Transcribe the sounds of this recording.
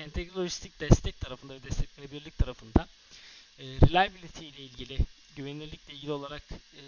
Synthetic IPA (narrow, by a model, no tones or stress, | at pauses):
ɛnt̪ʰɛcɾolʲˠoʒist̪ʰic̚d̪ɛst̪ʰɛc̚t̪ʰaɾafɯnd̪avɛd̪ɛst̪ʰɛt̪̚menebilʲilʲic̚t̪ʰaɾafɯnd̪a | ɾilʲajbilʲit̪ʰijlʲɛilʲɟilʲɪ | ɟyvenilʲiɾlʲicʲlʲɛilʲɟilʲio̞lˠaɾakː